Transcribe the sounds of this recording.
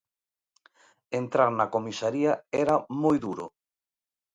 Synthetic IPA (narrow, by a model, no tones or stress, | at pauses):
ent̪ɾaɾnakomisaɾiaɛɾamojðuɾo̰